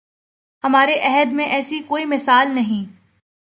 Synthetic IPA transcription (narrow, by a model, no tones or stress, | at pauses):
ɦɐmaːɾeʔɛɦəd̪mẽʔɛːsikoːimɪsaːlnɐɦĩː